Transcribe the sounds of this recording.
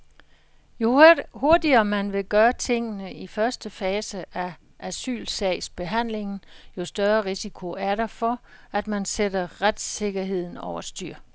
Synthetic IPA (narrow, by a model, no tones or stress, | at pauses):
oho̝ɐdiɐmænʋe̝ɡ̥ɶːɐt͡sʰe̝ŋ̰ənəifɶɐsd̥əfɛːsəʔæ | ʔæsy̰ːlsɛɪsb̥e̝ɦæn̰le̝ŋn̩jo̝sd̥ɶɐʁisikʰo̝æɐɾɑ̈fɒ̽æd̥mænsed̥ɐʁad̥se̝ɡ̥ɐɦe̝ð̞̰ˠn̩ɒʊɐsd̥yɐ̰